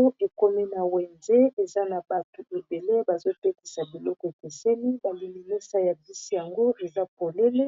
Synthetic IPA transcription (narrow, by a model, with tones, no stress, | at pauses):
o˦e˨ko˦mi˦na˨wɛ˨nze˦e˨za˦na˨ba˨to˨e˨be˨le˦ba˨zo˦pe˦ti̥˨sa˨bi˨lɔ˦kɔ˨e˨ke˨se˦ni˦ba˨li˨mi˨ni˦sa˦ja˨vi˦si˦ja˨ŋɡo˦ʔe˨za˦po˨le˦le˦